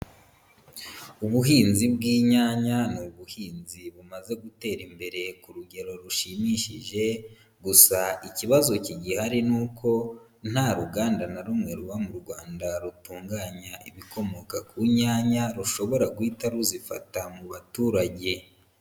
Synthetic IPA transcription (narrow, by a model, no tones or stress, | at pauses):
uβuɦiːnzibɡiːɲaɲanuβuhiːnziβumaze̞ɡute̞ːɾimbe̞ɾe̞kuɾuɟe̞ɾo̞ɾuʃimiʃiʒe̞ | ɡusaiciβazo̞ciɟihaɾinuːkʰo̞ | n̥haɾuɡaːndanaɾumŋe̞ɾuβamuɾɡwaːndaɾutuːŋɡaːɲaʔḭβiko̞mo̞kakʰuɲaːɲaɾuʃo̞βo̞ɾaɡwiːtaɾuzifatamuβatuːɾaɟe̞